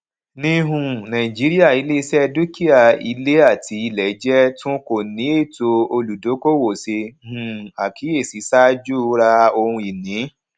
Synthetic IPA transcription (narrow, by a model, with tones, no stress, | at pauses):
nĩ˧ɦũ˨˧˨nã˨i˨d͡ʒi˨˦ɾi˦a˦˨i˨˦le˦˧sɛ˧du˦ki˦a˦˨i˧˦le˦a˦˨tʰi˨˦i˧lɛ˨˦d͡ʒɛ˦tũ˦ko˦˨nĩ˨˦e˦˨to˧o˧lu˨do˨˦ko˦wo˨se˧˦hũ˨a˨kʰi˨˦e˦˨si˨˦sa˦d͡ʒu˦ɾa˧o˧hũ˧i˨nĩ˨˦